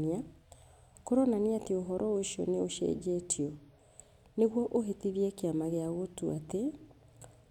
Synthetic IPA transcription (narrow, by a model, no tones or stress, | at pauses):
nia | koɾɔnaniatioɦɔɾʔɔoiʃɔ̰neoʃɛ̰d͡ʒetʰiɔ | neɣwɔʔoɦetiβiɛkeamaɣeaɣotuate